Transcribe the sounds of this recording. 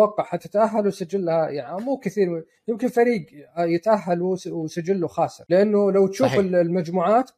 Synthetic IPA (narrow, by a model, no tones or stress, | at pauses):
wɑqːɑʕħat̪ːat̪ʔaɦːalwsad͡ʒːɪlːhajaʕnimuːkɪθiːɾ | jɪmkɪnfaɾiːɡjɪt̪ʔaɦːalwsad͡ʒɪlːuxaːsˤɨɾlɪʔanːʊlawt̪ʃuːfɪllmad͡ʒmuːʕaːt̪